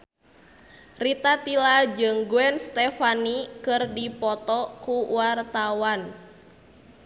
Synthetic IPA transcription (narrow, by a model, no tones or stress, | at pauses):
rit̪at̪ilad͡ʒɨŋɡuɛnst̪ɛfanikɨrdipɔt̪ɔkuwart̪awan